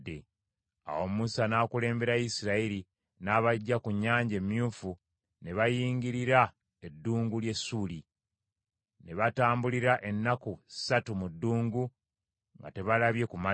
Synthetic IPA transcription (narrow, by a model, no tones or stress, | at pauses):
ḛ | a̰wo̞musanaːkule̞ːmbe̞ɾajisiɾaiɾi | naːβaɟːakuɲːaːɲɟemːjuːfu | ne̞βajiːŋɡiɾiɾa | e̞dːuːŋɡulje̞suːli | ne̞βataːmbuliɾaʔe̞nːakusatumudːuːŋɡu | ŋɡa̰te̞βalaβje̞kuma